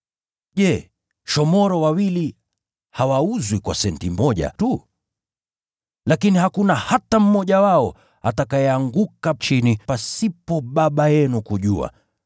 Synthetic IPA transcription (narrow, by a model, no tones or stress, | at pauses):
ʄɛ | ʃɔmɔɾɔwawili | hawauzwikwa̰sɛntimɔʄa̰tu | lakinihakunahatam̩mɔʄawaɔ | atakaɛaŋɡukat͡ʃinipasipɔɓaɓajɛnukuʄua̰